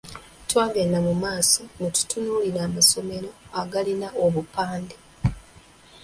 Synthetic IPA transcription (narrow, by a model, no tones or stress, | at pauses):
twaːvenamumaːso̞ŋotu̥tunuːliɾaːmaso̞me̞ɾo̞aɡalinaoβupaːnde